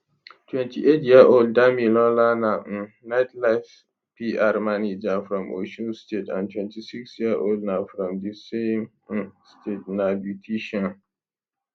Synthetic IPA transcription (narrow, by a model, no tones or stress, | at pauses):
tʰwɛ̃ntʰiʔetjiəʔoldːamilɔlana | naɪtlaɪf | piʔaɹmanid͡ʒafɹɔ̃mʔo̰ʃɔ̃nstetã̰ntʰwɛ̃ntisiksjiəʔoldnafɹɔ̃mdisẽm | stʰet̚nabjutʰiʃɔ̃n